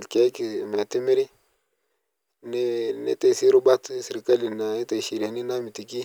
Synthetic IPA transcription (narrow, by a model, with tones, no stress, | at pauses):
lke˨˦ki˨me˨ti˦mi˦ɾi˦ | n˦nḭ˦te˨si˦ɾu˦ba˦tsi˨ɾi˨ka˦li˨na˨i˦te˨ʃi˨ɾa˨ni˦na˦mi˨ti˨ki˦